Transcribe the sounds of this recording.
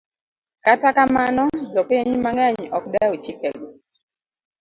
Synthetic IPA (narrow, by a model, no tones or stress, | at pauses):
katakamanɔd͡ʒɔpɪɲmaŋɛɲɔkdaot͡ʃikɛɡo